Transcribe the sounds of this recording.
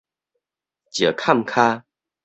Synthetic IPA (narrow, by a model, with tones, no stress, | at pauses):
t͡ɕə˨˩kʰa˥˨mkʰa˦